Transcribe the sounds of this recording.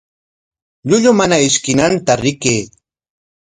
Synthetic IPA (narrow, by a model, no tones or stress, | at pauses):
ʎʊʎʊmanaɪʃkɪnant̪aɾɪkeː